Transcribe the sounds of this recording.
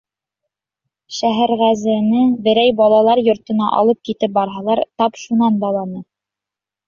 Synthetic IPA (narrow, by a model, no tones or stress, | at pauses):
ʃæɦæɾʁæzɘ̆ɘ̆nɘbɘ̆ɾæjbɑlˠɑlˠɑɾjŏɾt̪ɤ̆nɑʔɑ̰lˠɤp̚kit̪ɘp̚bɑɾɦɑlˠɑɾt̪ɑpʃunɑnd̪ɑlˠɑnɤ